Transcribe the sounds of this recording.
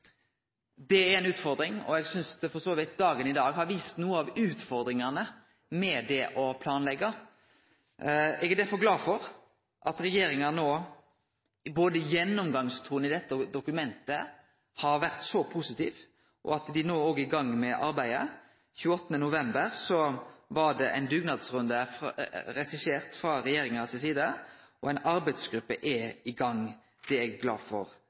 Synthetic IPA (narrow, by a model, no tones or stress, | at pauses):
d̪ɛæɾɛnʉːt̪fɔɾd̪ɾɪŋɔ̰ɛɡsʏnsd̪ɛfɔsoːʋɪt̪̚d̪ɑːɡənɪd̪ɑːɡɦɑɾʋiːst̪nuːəɑʋʉːt̪fɔɾd̪ɾɪŋɑnə | mɛd̪ɛʔɔpʰlɑːnlɛɡːɑ | ɛɡæd̪æɾfɔɾɡlɑːfɔɾ | ʔɑt̪ɾɛjeːɾɪŋɑnoː | boːd̪əjɛnːɔmɡɑŋst̪ʰuːnɪd̪ɛt̪ːəd̪ʊkʉmɛnt̪ə | hɑɾʋæɾt̪sɔpʰusɪt̪ḭːʋ | ʔɔ̰ɑt̪d̪ɪnoːoːɡəɪɡɑŋːmɛʔɑɾbæɪə̰ | çʉːəɔt̪ːənənʊʋɛmbəɾsɔʋɑɖ̪ɛʔæ̰ɪnd̪ʉːɡnɑd̪sɾʉnd̪ə | ɾɛsɪseːɾt̪fɾɑɾɛjeːɾɪŋɑsɪsiːd̪əʔɔæɪnɑɾbæɪd̪sɡɾʉpːəʔɛɪɡɑŋː | d̪̥ɛɛɡɡlɑ̰ːfɔ̰ɾ